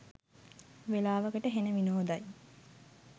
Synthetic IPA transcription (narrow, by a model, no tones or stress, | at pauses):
ʋelaːʋəɡəʈəɦenəʋinoːd̪aj